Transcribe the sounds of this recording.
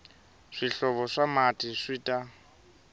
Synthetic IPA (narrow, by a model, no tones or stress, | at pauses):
ʂiɬɔβɔʂamatʼiʂiːtʼa